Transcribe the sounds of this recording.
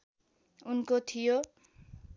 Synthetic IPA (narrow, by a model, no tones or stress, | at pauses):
unkot̪ʰijo